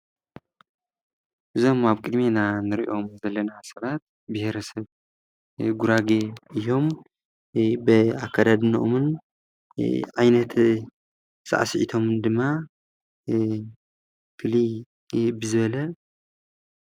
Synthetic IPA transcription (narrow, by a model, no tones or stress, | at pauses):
ʔɨzo̞maβkʼɨd̪menanɨɾiʔo̞mzɐlːɐnasɐβat̪̚ | bɨheɾɐsɐβ | ɡuɾaɡeɨjo̞m | bɨakʰːad̪ad̪ɨnʔomɨn | ʕajnɐt̪ | sa̰ʔsʕḭt̪ʰo̞md̪ɨmːa | fɨli | bɨzɨβɐlɐ